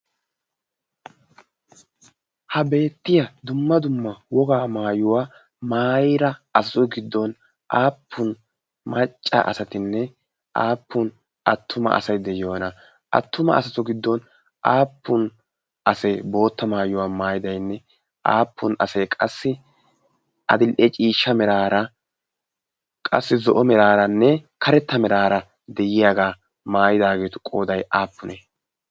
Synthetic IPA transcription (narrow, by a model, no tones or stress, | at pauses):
hɐbe̞ːt̪ːɪjɐd̪ʊmːɐd̪ʊmːɐwɔɡaːmaːjʊwaː | maːjɾɐɐsɐsɔɡɪd̪ːɔn | ʔaːpʰːʊn | mɐt͡ʃʼːɐ̰ʔɐ̰sɐt̪ɪnːɛ | ʔaːpːʊn | ʔɐt̪ʰːʊmɐ̰ʔɐ̰sɐjd̪ɛjoːnɐ | ʔɐ̰t̪ːʊmɐ̰ɐ̰sɐtɔɡɪd̪ːɔn | ʔaːpːʊn | ʔɐsebo̞ːt̪ːɐmaːjʊwaːmaːjɪd̪ɐjnːɛ | ʔa̰ːpʰːʊnɐ̰sɛkʼɐsːɪ | ʔɐ̰d̪ɪlʔɛt͡ʃʼiːʃːɐmɛɾaːɾɐ | kʼɐ̰sːɪzɔʔɔmɛɾaːɾɐnːɛkʰɐɾɛt̪ːɐmɛɾaːɾɐ | d̪ɛjɪjaːɡaː | maːjɪd̪aːɡe̞ːt̪ʊ̥kʼoːd̪ɐjaːpːʊnɛ